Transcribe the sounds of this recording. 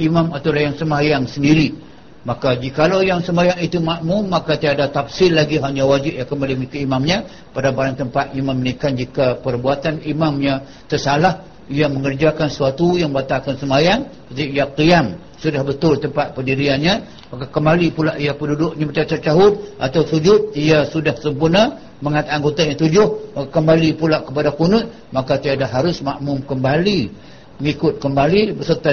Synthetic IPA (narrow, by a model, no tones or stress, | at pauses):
imamat̪awlahjaŋsəmajaŋsəndiɾi | makad͡ʒikalawjaŋsəmajaŋit̪umaʔmʊnmakat̪iadat̪afsɪlːaɡiɦaɲawad͡ʒɪp̚jakəmalimik̪aimamɲə̃ | padabaɾaŋt̪əmpat̪imamːənikand͡ʒikapərbuat̪animamɲã | t̪ərsalah | ijaməŋərd͡ʒakansuat̪ujaŋbat̪akansəmajaŋsət̪ijaqiam | sudahbət̪ʊlt̪əmpat̪̚pəndiɾianɲə̃ | makakəmbalipulaʔijapədudʊk̚ɲabət͡ʃat͡ʃat͡ʃaɦʊt̪̚ʔa̰t̪awsud͡ʒʊt̪̚ijasudahsəmpurna | məŋat̪aŋɡot̪aɲãŋt̪ud͡ʒʊhmaakəmbalipulaʔkəpadakunʊt̪̚ | makat̪iadaɦaɾʊsmaʔmʊmkəmbali | məŋikʊt̪̚kəmbalibərsərt̪a